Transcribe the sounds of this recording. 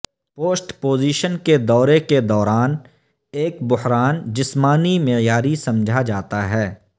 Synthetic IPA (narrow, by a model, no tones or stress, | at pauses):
poːsʈpoːziːʃənked̪ɔːɾeked̪ɔːɾaːn | eːkbʊhɾaːnd͡ʒɪsmaːnimɪjaːɾisɐ̃md͡ʒʱad͡ʒaːt̪aɦɛː